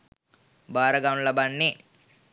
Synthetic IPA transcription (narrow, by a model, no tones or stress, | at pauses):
baːɾɐɡanlɐbɐnːi